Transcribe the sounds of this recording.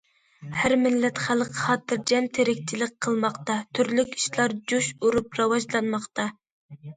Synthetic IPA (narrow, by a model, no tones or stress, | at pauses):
hæɾmɪlːɛt̪χælˠqʰχɑːt̪ɨɾd͡ʒɛmt̪ʰeɾɪkʲt͡ʃʰilɪk̚ʲqʰəlˠmɑqt̪ɑt̪ʰyɾlykʲi̥ʃlˠɑɾd͡ʒuʃuɾupɾɑwɑʒlˠɑnmɑqt̪ʰɑ